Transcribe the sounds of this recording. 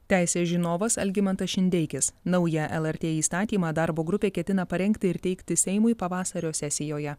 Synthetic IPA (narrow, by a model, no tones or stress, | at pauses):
t̪ʲæˑɪsʲeːsʒʲinoːʋɐsɐ̰lʲɡʲɪmʲɛnt̪ɐʃʲɪnʲd̪ʲɛɪkʲɪsnɐʊjɛʔɛlˠɛɾʲt̪ʲeːiːst̪ɑːt̪ʲiːmɑːd̪ɑɾboːɡɾʊpʲeːkʲɛt̪ʲɪnɐpɐɾʲɛŋʲkt̪ʲɪɪɾt̪ʲɛɪkt̪ʲɪsʲɛɪmʊɪpɐʋɑːsɐɾʲoːsʲɛsʲɪjoːjɛ